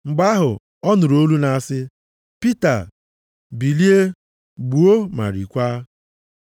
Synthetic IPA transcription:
ŋ͡m̩˨ɡ͡ba˦ɦʊ˨ | ɔ˦nʊ˨ɾo˦lu˦na˨a˨sɪ˦ | pi˦ta˨ | bi˨li˦e˦ | ɡ͡bu˨o˦ma̰˨ɾḭ˨kʷaː˦

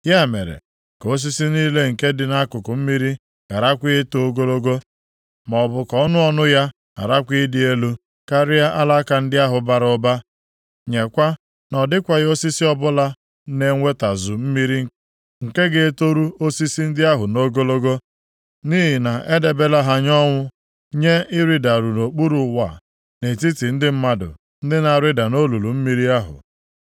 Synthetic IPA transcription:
ja˦˨mḛ˨ɾḛ˨ | ko˦s̬i˦si˦niː˦le˦ŋ̩˨ke˦dɪ˨na˦kʊ˨kʊ˨m̩˦mi˦ɾi˦ | ka˨ɾa˦kʷi˦e˦to˨o˦ɡo˦lo˦ɡo˦ | mɔ˨ɔ˨bʊ˨kɔ˨ɔ˦nʊ˦ɔ˦nʊ˦ja˦ | ka̰˨ɾa˦kʷi˦dɪ˨e˦lu˦ | ka˦ɾɪ˦ja˦ʔa˦la˦ka˨n̩˦dɪ˦a˦ɦʊ˨ba˨ɾʊ˦ba˦ | ɲe˨kʷa˦ | nɔ˨dɪ˦kʷa˨ɣjo˦si˦si˦ɔ˦bʊ˦la˦ | ne˨ŋʷe˦ta˨zʊ˨m̩˦mi˦ɾi˦ŋ˦ | ŋ̩˨ke˦ɡe˦e˦to˦ɾu˦o˦si˦si˦n̩˦dɪ˦a˦ɦʊ˨no˦ɡo˦lo˦ɡo˦ | niː˦ɦi˨na˨ʔe˦de˨be˦la˦ɦa˨ɲɔ˦ŋʷʊ˦ | ɲe˦ɪ˦ɾi˦da˨ɾu˨no˨k͡pu˦ɾu˨˦wa̰˨ | ne˨ti˦ti˨n̩˦dɪ˦m̩˦ma˦dʊ̰˨ | n̩˦dɪ˦na˨ɾɪ˦da˨no˦lu˨lu˨m̩˦mi˦ɾi˦a˦ɦʊ̰˨

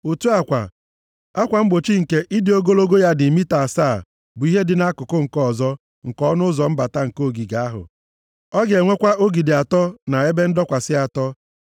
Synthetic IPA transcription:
o˨tu˦a˨kʷa̰˨ | a˦kʷa˨ŋ͡m̩˦ɡ͡bo˨t͡ʃi˦ŋ̩˨ke˦ʔi˦dɪ˨o˦ɡo˦lo˦ɡo˦ja˦dɪ˨mi˦ta˨saː˦˨ | bʊ˨i˦ɦe˦dɪ˨na˦kʊ˨kʊ˦ŋ̩˨kɔ˦˨zɔ˦ | ŋ̩˨kɔ˦nʊ˦zɔ˨m̩˦ba˨ta˦ŋ̩˨ko˦˨ɡi˨ɡa˨a˦ɦʊ̰˨ | ɔ˦ɡe˨ŋʷe˦kʷa˦ʔo˦ɡi˨dɪ˨a˨tɔ˦na˨e˦be˦n̩˦dɔ˦kʷa˨sɪ˦a˨tɔ˦

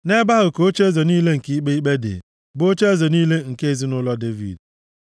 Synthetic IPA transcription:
ne˦ba˦ɦʊ˨ko˨˦o˦t͡ʃe˦zo˨niː˦le˦ŋ̩˨ki˦i˦k͡pe˦i˦k͡pe˦dɪ̰˨ | bo˦t͡ʃe˦e˦zo˨niː˦le˦ŋ̩˨ke˦e˨zi˦nʊ˦lɔ˦de˦vḭ˨d

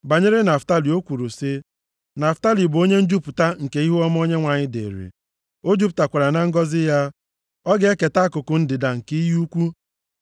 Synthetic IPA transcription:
ba˨ɲe˦ɾɪ˦na˨fta˦li˨o˦kʷu˨ɾu˨sɪ˦ | na˨fta˦li˨bʊ˨o˦ɲe˦n̩˦d͡ʒu˦pʊ˨ta˦ŋ̩˨ke˦i˦ɦu˦ɔ˦m˦o˦ɲe˦ŋʷa˨ɲɪ˦dḛ˨ɾḛ˨ | o˦d͡ʒu˦pta˨kʷa˨ɾa˨na˦ŋ̩˦ɡɔ˦zɪ˦ja˦ | ɔ˦ɡe˨˦e˦ke˨ta˦kʊ˨kʊ˨n̩˦dɪ˨da˨ŋ̩˨ki˦ju˦kʷu˦

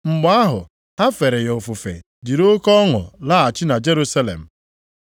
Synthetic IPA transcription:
ŋ͡m̩˨ɡ͡ba˦ɦʊ̰˨ | ha˦fe˨ɾe˨jo˨fu˨fḛ˨ | di˨ɾo˦kɔ˦ŋʊ̰˨la˦a˨t͡ʃɪ˦na˨d͡ʒe˦ɾu˦sa˦lḛ˨m̩˨

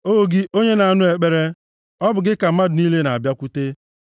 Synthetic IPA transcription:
o˦o˨ɡɪ˦ʔo˦ɲe˦na˨a˨nʊ˦e˨k͡pe˦ɾe˦ | ɔ˦bʊ˨ɡɪ˦ka˨m̩˦ma˦dʊ˨ni˦le˦na˨a˨bja˦kʷu˦te˦

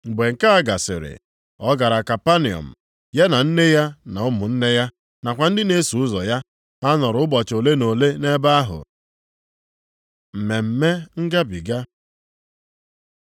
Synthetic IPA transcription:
ŋ͡m̩˨ɡ͡be˨ŋ̩˨ka˦a˦ɡa˨sɪ̰˨ɾɪ̰˨ | ɔ˦ɡa˨ɾa˨ka˨pa˦ni˨ɔ̰˨m̩˨ | je˦na˨n̩˦ne˦ja˦na˨ʊ˦mʊ˨n̩˦ne˦ja˦ | na˨kʷa˨n̩˦dɪ˦ne˦su˨˦ʊ˦zɔ˨ja˦ | a˦nɔ˨ɾʊ˨˦bɔ˨t͡ʃo˨le˦no˨le˦ne˦ba˦a˦ɦʊ̰˨ | m̩˨me˨m̩˨me˦ŋ̩˦ɡa˦bi˨ɡa˦

